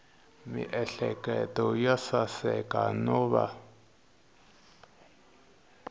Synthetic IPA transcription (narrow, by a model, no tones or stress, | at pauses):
miʔɛɬɛkɛtɔjasasɛkanɔβa̰